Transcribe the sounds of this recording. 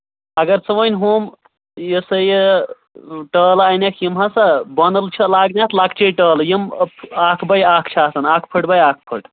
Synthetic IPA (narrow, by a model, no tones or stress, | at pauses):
ɐɡɐɾt͡sɐʋɐnʲɦuːm | jəsɐje | ʈəːlanʲɐkʰjimɦɐsɐbɐnəlt͡ʃʰɐlaːɡnʲaːt̪ʰlaːkt͡ʃʰɐʈəːljimpaːkʰbɐjaːkʰt͡ʃʰaːt̪ɐnaːkʰpʰəʈbɐjaːk̚ʰpʰəʈ